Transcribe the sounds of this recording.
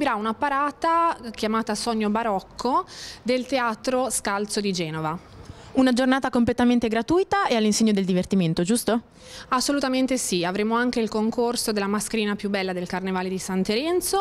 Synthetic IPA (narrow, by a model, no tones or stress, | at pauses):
biɾaunapaɾaːt̪ak̟jamaːt̪asɔɲːobaɾɔkʰːod̪elt̪eaːt̪ɾoskalt̪sod̪id͡ʒɛːnova | unad͡ʒornaːt̪akomplet̪ament̪eɡɾat̪ujt̪aealːinseɲːod̪eld̪ivert̪iment̪od͡ʒust̪o | asːolut̪ament̪esiavɾeːmoaŋk̟eilkoŋkorsod̪elːamaskeɾiːnapjubːɛlːad̪elkarnevaːled̪isant̪eɾɛnt̪so